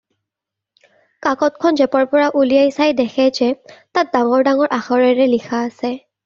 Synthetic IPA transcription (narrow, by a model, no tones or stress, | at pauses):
kakɔt̚kʰɔnzɛpɔɹpɔɹaʔulijajsajdɛxʰɛd͡ʒɛtat̚daŋɔɹdaŋɔɹʔaxɔɹɛɹɛlixʰaːsɛ